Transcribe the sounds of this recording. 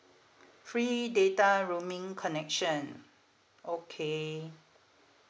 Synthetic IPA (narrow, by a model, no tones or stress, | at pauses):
fɹidetaɹumĩŋkʰɔnɛkʃə̃n | ʔokʰe